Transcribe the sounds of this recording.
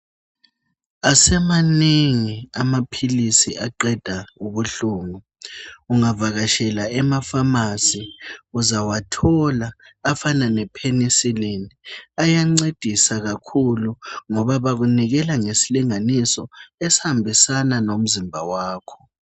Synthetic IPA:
asɛmaniŋiamapʰilisiʔaǃɛd̥ʱauβuɬuːŋu | uŋavaɣaʃɛlaɛmafamasiuzawatʰɔlaː | fananɛpʰenisileniajaŋ͡ǀed̥ʱisaɣakʰuluŋɔβaβaɣuniɣɛlaŋesiliŋanisɔesihambʱisananom̩zimbʱa̰waːkʰɔ̥

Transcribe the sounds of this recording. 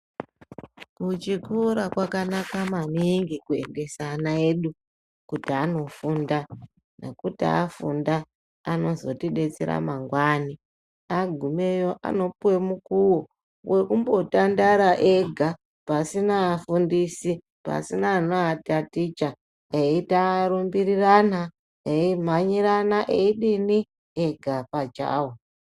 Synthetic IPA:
kut͡ʃikuɾakwakanakamaniŋɡikuḛmɡe̞sanae̞ɗu | kutiano̞funda | nḛkutia̰fṵnda | ano̞zo̞tiɗe̞t͡sḛɾa̰maŋɡwani | aɡʱume̞jo̞ʔa̰no̞puwe̞mukuwo | wʔe̞kumbo̞tandaɾaʔeɡʱa | pasinaːfundisi | pa̰sinanoatatit͡ʃa | eitaɾumbiɾirana | eimaɲiɾanaʔeiɗini | eɡʱapat͡ʃa̰ːwo

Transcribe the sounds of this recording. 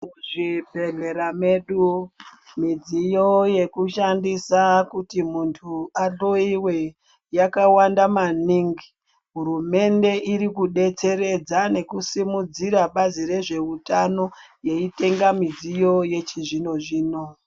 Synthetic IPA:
uʐipeɮeɾameɗu | mid͡zijoje̞kuʃandisakutimuntʰuaɗo̞iwe̞ | jakawandamaniŋɡi | ɦuɾume̞nde̞ʔiɾikuɗe̞t͡se̞ɾe̞d͡zane̞kusimud͡ziɾaɓazire̞ʐe̞utano̞je̞ite̞ŋɡamid͡zijo̞je̞t͡ʃiʐino̞ʐiːno

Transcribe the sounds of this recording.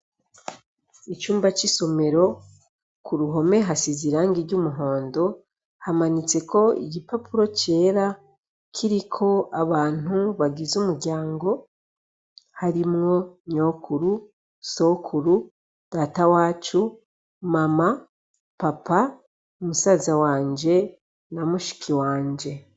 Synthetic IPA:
it͡ʃuːmbat͡ʃiso̞me̞ɾo̞ | kʰuɾuɦo̞me̞ɦasiziɾaːŋɡiɾɟumuɦo̞ːndo̞ | hamaɲit͡se̞kʰo̞ḭɟipapuɾo̞ce̞ːɾa | kʰiɾikʰo̞aβaːn̥huβaɡizumuɾɟaːŋɡo̞ | haɾimŋo̞ɲokʰuɾu | so̞kʰuɾu | d̥aːtawaːt͡ʃu | mama | papa | umusaːzawaːɲd͡ʒe̞ | namuʃi̥kʰiwaːɲd͡ʒe̞

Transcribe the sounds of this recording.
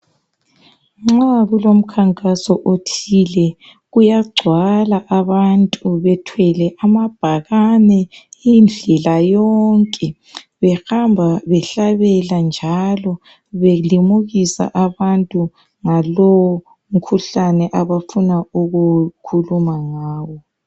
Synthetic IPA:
ŋ͡ǁaɣulom̩kʰaŋkʼasɔʔotʰilɛ | ɣujaɡ͡ǀʱwalaʔaβantʼuβɛtʰwɛlɛʔamab̥ʱaɣanɛind͡ɮʱɛlajɔŋkʼɛ | βɛxambʱaβɛɬaβɛland͡ʒʱalɔ | βelimuɣisa̰ʔaβantʼu | ŋalɔwɔ | m̩kʰuɬanɛʔaβafunauɣukʰulumaŋaːwɔ

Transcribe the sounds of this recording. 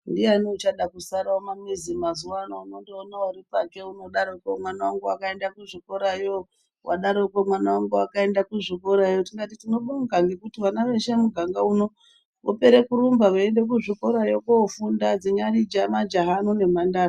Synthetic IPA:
ndianot͡ʃaɗakusaɾawomamizimazuwanouno̞ndeonauɾipake̞uno̞ɗaɾokomwanawaŋɡuwakae̞ndakuʐiko̞ɾajo | wa̰ɗaɾokomwanawaŋɡuakae̞ndakuʐiko̞ɾajotiŋɡatitino̞ɓoɡaŋɡekutiʋanaʋe̞ʃe̞muɡʱaŋɡauno̞ | ʋo̰pe̞ɾe̞kuɾumbaʋoende̞k̬uʐiko̞ɾajo̞kofundad͡ziɲarid͡ʒamad͡ʒaɦanune̞mandaːo

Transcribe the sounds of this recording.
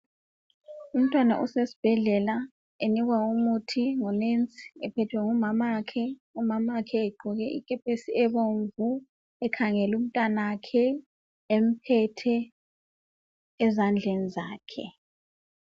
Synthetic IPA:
um̩tʼwana̰ʔusesi̥b̥ʱɛɮɛla | eniɣwaumutʰiŋɔnent͡sʼi̥ɛpʰɛtʰwɛŋumamakʰɛumamakʰɛːɡ͡ǃʱɔɣɛʔḭkʼɛpʰesiɛβoɱvu | ɛkʰaŋɛlum̩tʼwanakʰɛ | em̩pʰɛtʰɛ | zand͡ɮʱenizaːkʰɛ

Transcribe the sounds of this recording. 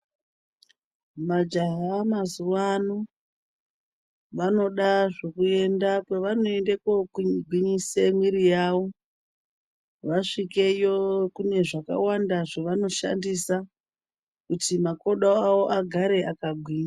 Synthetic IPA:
mad͡ʒaɦamazuwano | ʋano̞ɗaʐokue̞ndakeʋano̞endekoiɡʱwiɲisemwiɾijawo̞ | ʋaʂike̞jokune̞ʐaka̰wandaʐoʋano̞ʃa̰ndisa | kutimako̞ɗaawo̞ʔaɡʱaɾe̞ʔakaɡʱwiːɲa

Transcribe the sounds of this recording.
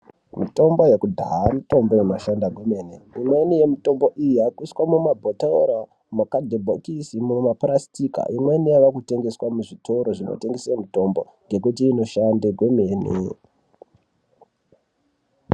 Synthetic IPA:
mito̞mbo̞je̞kudʱaɦamito̞mbounoʃandaɡʱweme̞ːneimwe̞nije̞mito̞mbo̞ʔijijakuskwamumabʱotao̰ɾa | mukadʱebʱokisimuomaprastika̰imwe̞nijaʋakute̞ŋɡe̞swamuʐitʰo̞ɾo̞ʐino̰te̞ŋɡesemuto̞mbo̞̰ | ŋɡe̞kut̬iːno̞ʃandeɡwe̞me̞ːnḛ

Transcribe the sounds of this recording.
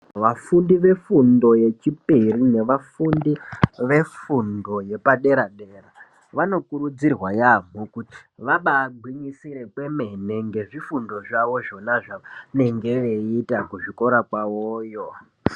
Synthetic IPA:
ʋafundiʋe̞fundo̞je̞t͡ʃipirine̞ʋafundiʋe̞fundo̞je̞paɗe̞ɾaɗe̞ːra | ʋano̞kurud͡zirwajam̤ukuti̥ʋaɓaːɡʱwiɲisiɾe̞kwe̞me̞ne̞ŋɡe̞ʐifundo̞ʐaʋo̞ʐo̞naʐane̞ŋɡe̞ʋe̞itakuʐiko̞ɾakwaoːjo

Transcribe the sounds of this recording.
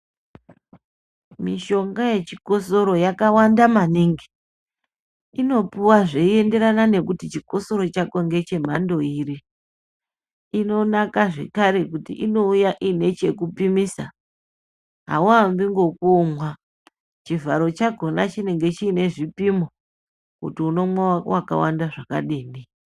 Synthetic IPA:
miʃo̞ŋɡaje̞t͡ʃiko̞so̞ɾo̞jakawandamaniŋɡe̥ | ino̞puwaʐeie̞nde̞ɾanane̞kutit͡ʃiko̞so̞ɾo̞t͡ʃakoŋɡe̞t͡ʃe̞m̤ando̞iːɾi | ino̞nakaʐe̞̰kaɾe̞kutḭʔino̞ujaʔine̞t͡ʃe̞kupimisa | ɦa̰wambiŋɡo̞komwa | t͡ʃivʱaɾo̞t͡ʃaɡʱo̞nat͡ʃine̞ŋɡe̞t͡ʃiːne̞ʐipimo | kutiuno̞mwawaka̰wa̰ndaʐaka̰ɗeːni

